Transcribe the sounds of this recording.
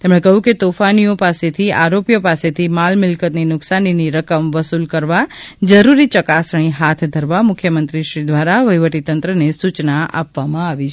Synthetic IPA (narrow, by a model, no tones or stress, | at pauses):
t̪emɽ̃ekəɦũket̪ofanijopaset̪ʰiaɾopjopaset̪ʰimalmɪlkət̪ninʊksaniniɾəkəmʋəsulkəɾʋad͡ʒəɾuɾit͡ʃəkasɽ̃iɦat̪ʰd̪ʱəɾʋamʊkʰjəmənt̪ɾiʃɾid̪ʋaɾaʋəjʋəʈit̪ənt̪ɾənesut͡ʃnaʔa̰pʋamãaʋit͡ʃʰ